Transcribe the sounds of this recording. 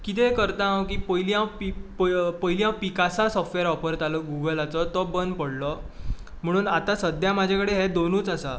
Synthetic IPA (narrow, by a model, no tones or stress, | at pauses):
kit̪ekəɾt̪ãk̬iːpəiljãwpippəilijãwpikasasɔfʈʋeɾɔpəɾt̪alɔɡuɡəlat͡sɔt̪ɔbənd̪pəɽlɔ | m̤əɽ̃uːnat̪ãsəd̪jãmad͡ʑʱakəɽeɦed̪onuːt͡sasa